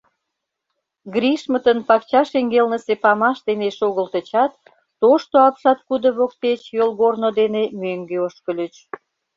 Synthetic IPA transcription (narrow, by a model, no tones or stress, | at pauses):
ɡɾʲiʃmət̪ənpɑkt͡ɕɑʃeŋɡelnəsepɑmɑʃd̪eneʃoɣəlt̪ə̆t͡ɕɑt̪ː | oʃt̪oɑpʃɑt̪̚kud̪ə̆βok̚t̪et͡ɕjolɣornod̪enemøŋɡøoʃkəlʲət͡ɕ